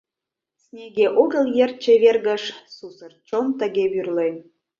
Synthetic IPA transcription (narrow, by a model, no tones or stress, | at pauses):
snʲeɣeʔoɣə̆ljer̚t͡ɕeβerɣə̆ʃsusərt͡ɕomt̪ə̆ɣʲeβyrlen